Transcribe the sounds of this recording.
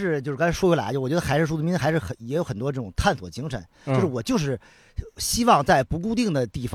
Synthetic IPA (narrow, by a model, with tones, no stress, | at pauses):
ʂɻ̩˥˧t͡ɕjo˥˧ʊʂɻnt͡sʰʂwɔ˥u˧˥la̰˧˥o˧˩wt͡ɕʲɥɛ˧˥ə˧xa˧˥ɪʂɻ̩˥˧ʂ̬u˥˩ə˩m˧˥n̩˥˧˥xʂɻ̩˥˩xə˧˩jɛ˧˥jo˧˥ʊxə˨˩nt̪wɔ˥ʈ͡ʂɤ˥˩ʈ͡ʂʊ˨˩ŋt̪ʰa˥˩nswɔ̰˨˩t͡ɕi˧˥ŋʂʰə̰˧˥˦nt͡ɕt͡ɕo˥˧ʂɻ̩˥˩wɔ˨˩t͡ɕjo˥˧ʊʂ̬ɻ̩˥˩ | ɕi˥wɑ˥˧ŋt͡sa˥˩ɪpu˧˥k̬u˥˧t̪̬i˥˩ŋd̪ə˩t̪i˥˩fɑ˧